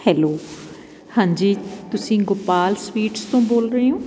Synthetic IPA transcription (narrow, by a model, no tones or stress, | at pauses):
hɛːloː | hãːɲd͡ʒiːt̪ʊsĩːɡʊpaːlswiːʈst̪õːboːlɾəiːõː